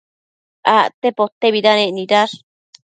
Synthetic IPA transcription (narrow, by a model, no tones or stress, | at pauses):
aʔt̪epot̪ːeβidanẽʔniɾaɾ